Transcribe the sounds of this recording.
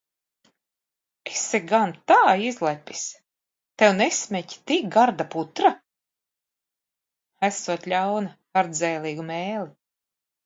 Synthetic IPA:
eseɡant̪aːizlˠɛpʲːis | t̪ewnesʲmʲɛct̪iɡaɾd̪aput̪ɾa | æsuɔt̪lʲawna | aɾd̪zɛːlʲˠiːɡumeːlʲi

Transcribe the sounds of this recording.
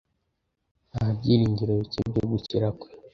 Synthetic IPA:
ahab̚ɟiːɾiːɲɟiɾeβicḭbɟoɡuciɾakwe̥

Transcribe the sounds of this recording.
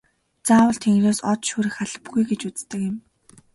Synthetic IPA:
t͡saːwə̆ɬt̪ʰeŋɡreːsɔt̪ʃuːɾɘ̆xaɮə̆pɡujɡet͡ɕut͡st̪ə̆kjɪ̆m

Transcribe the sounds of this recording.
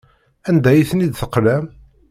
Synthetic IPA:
ænd̪æjiθnid̪θəqːlæm

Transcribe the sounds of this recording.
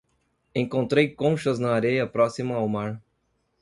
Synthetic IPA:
ẽŋkõnt̪ɾejkõʃɐznɐːɾejɐpɾɔsimɐawmaɾ

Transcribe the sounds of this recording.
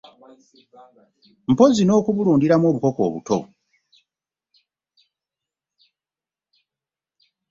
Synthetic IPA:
m̩po̞zino̞ːkuβuluːndiɾamwo̞ːβuko̞ko̞̰ːβṵto̞̰

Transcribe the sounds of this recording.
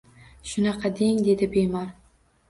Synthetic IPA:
ʃʊnɑqʰɑd̪e̞ŋd̪e̞d̪ɪbemɑɾ

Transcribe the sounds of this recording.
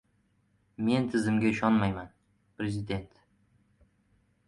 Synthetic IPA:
me̞nt̪ʰɪzɪmɡʲaɪʃɒnmajman | pɾe̞zɪd̪e̞nt̪

